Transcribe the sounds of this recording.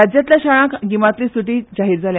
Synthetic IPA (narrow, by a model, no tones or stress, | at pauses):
ad͡ʑjat̪lʲjaɕaɭãkɡimat̪liːsuʈiːd͡ʑaɦiːɾd͡zʱalja